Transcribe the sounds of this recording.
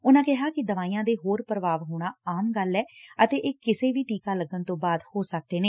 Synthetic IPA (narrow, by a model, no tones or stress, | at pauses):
ʊnãːkɪɦaːkɪd̪əʋaːiːãːd̪eːɦoːɾpɾəʋaːʋɦoːɽ̃aːaːmɡəlːɛːət̪eːʔeːkɪseːʋiːʈiːkaːləɡːənt̪õːbaːd̪hoːsək̚d̪eːneː